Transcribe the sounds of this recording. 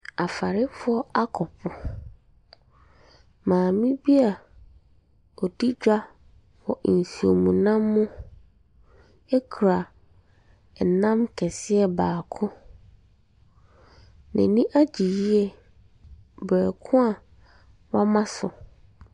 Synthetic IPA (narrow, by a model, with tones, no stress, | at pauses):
a˨fa˨ɾɪ˦fʊ˦ɔ˦a˦kʰɔ˨pʰʊ˨ | mãː˨mĩ˦bi˦a˨ | ɔ˨di˦d͡ʑᶣa˦ | wɔ˨ʔn̩˨su˨o̰˨mũ˨nã˦mːʊ̃˦ | ɛ˦kʰu˨ɾa˨ | ɛ˨nã˦mkʰɛ˨sɪ˦ɛ˨baː˨kʰʊ̃˦ | nɛ̰̃˨nĩ˦ʔa˦d͡ʑi˨ji˦ɛ˦ | bɛ˨kʰʊ̃˦a˨ | wã˦mã˦sʊ˨